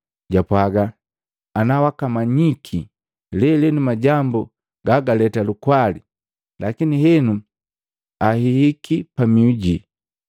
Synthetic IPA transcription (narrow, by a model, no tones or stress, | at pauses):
ɟapwaɡaː | nawakamaɲikʰi | lɛlɛnumaɟambu | ɡaɡalɛtalukwali | lakiniɦɛnu | ahihikʰipamiuɟi